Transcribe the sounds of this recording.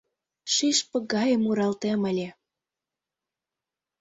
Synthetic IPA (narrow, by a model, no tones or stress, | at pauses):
ʃiʃpə̆ɡɑjə̆muɾɑlt̪eməlʲe